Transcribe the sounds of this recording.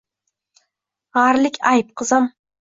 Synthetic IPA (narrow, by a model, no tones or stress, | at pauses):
ʁɑɾlɪkʲʰajp̚qʰɨzam